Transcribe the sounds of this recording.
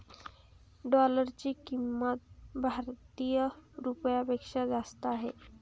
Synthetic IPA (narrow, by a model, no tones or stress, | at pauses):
ɖɔləɾt͡ɕiːkimːət̪̚bʱaɾt̪ijəɾupjapekʂad͡zast̪aːɦe